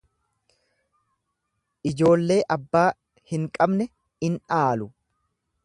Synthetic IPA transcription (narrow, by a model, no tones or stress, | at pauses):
ʔɪd͡ʒo̞ːlːe̞ːʔɐbːaː | hɪŋkʼɐbnɛ | ɪnᶑaːlʊ